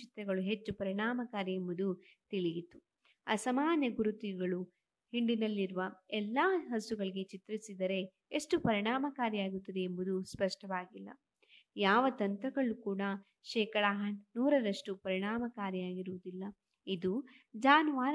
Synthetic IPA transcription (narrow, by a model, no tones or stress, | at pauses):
it̪ɾɐɡɐɭuɦe̞t͡ʃːupɐɾiɳaːmɐkaːɾɐembud̪u | t̪iɭijit̪ːu | ɐsɐmaːnjɐɡuɾut̪iɡɐɭu | hiɳɖinɐlːiɾuʋɐɛlːaːɦɐsuɡɐɭiɡe̞t͡ʃit̪ɾisid̪ɐɾe̞ | eʂʈupɐɾiɳaːmɐkaːɾjɐaːɡut̪ːɐd̪e̞embud̪uspɐʂʈɐʋaːɡilːɐ̰ | jaːʋɐt̪ɐnt̪ɾɐɡɐɭukuːɽɐ | ʃɛːkɐɽaɦɐnuːɾɐɾɐʂʈupɐɾiɳaːmɐkaːɾjɐaːɡiɾuʋud̪ilːɐ | id̪u | d͡ʒaːnʋaːɾ